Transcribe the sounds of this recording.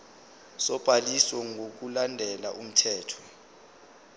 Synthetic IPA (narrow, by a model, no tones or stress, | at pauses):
sɔb̥ʱaliswɔŋʱok̬ulandʱɛla̰ʔum̩tʰɛːtʰɔ̥